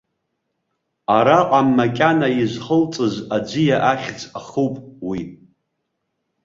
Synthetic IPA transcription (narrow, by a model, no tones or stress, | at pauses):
aɾaqʷʼamːakʲʼanaizʷχəlt͡sʼɨzad͡ʒʷɨjaʔaχʲd͡zʼaχuwpʼwi